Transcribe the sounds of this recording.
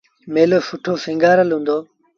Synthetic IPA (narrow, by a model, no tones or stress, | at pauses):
meːloːfʊʈʰoːfɪ̃ŋɡaːɾəlɦũːnd̪oː